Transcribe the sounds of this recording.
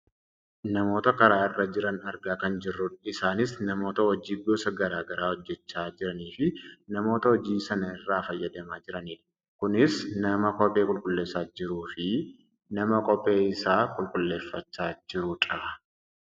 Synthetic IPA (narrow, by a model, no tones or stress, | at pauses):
nɐmo̞ːt̪ɐkɐɾaːɪrːɐd͡ʒɪɾɐnɐɾɡaːkɐnd͡ʒɪrːʊɪsaːnɪsnɐmo̞ːt̪ɐɔd͡ʒiːɡoːsɐɡɐɾaːɡɐɾaːhɔd͡ʒːɛt͡ʃːaːd͡ʒɪɾɐniːfɪnɐmo̞ːt̪ɐhɔd͡ʒiːsɐnɐɪrːaːfɐjːɐd̪ɐmaːd͡ʒɪɾɐniːᶑɐ | kʊnɪsnɐmɐkʼɔpʼːe̞ːkʼʊlkʼʊlːeːsaːd͡ʒɪɾuːfɪ | nɐmɐkʼɔpʼːe̞ːɪsaːkʼʊlkʼʊlːe̞ːfːɐt͡ʃːaːd͡ʒɪɾʊᶑʼaː